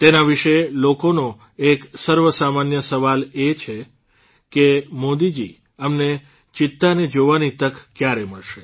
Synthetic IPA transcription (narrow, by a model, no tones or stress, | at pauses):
t̪enaʋiʃelokono | eksəɾʋəsamanjəsəʋalet͡ʃʰe | kemod̪id͡ʒi | əmne | t͡ʃɪt̪ːaned͡ʒoʋanit̪əkkːjaɾeməɭʃe̥